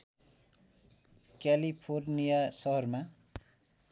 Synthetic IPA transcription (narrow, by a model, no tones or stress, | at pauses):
kalipʰornijasʌɦʌrma